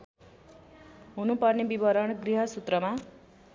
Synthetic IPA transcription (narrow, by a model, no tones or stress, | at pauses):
ɦunupʌrnebibʌɾʌɽɡriɦʌsut̪rʌma